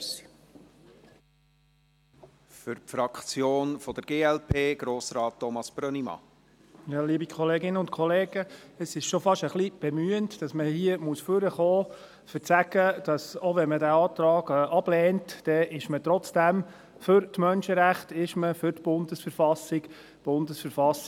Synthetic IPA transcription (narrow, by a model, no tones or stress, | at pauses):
s | fʏɾpfɾɑkt͡sjoːnfɔd̥̪əɾɡ̥eːɛlpʰeːɡ̥ɾoːsɾɑːtːɔmɑsb̥ɾœnimɑ̰ | jɑːliːbikʰχɔleːɡɪnːəʊnt̚kʰɔleːɡəəsɪʃʃofɑʃəχlib̥ɛmyəntd̥ɑsməhiəmuəsføɾəχɔː | fət͡sæɡ̥əd̥ɑsoʋɛnmədæːɑːt̪ɾɑːɡɛʔɑb̥lɛːntd̥ɛʔɪʃmət̪ɾɔt͡sd̥æm | fʏɾtmœnʃəɾæχtɪʃməfʏɾtb̥ʊnd̥əsfəɾfɑsɪk | b̥ʊndəsfəɾfɑs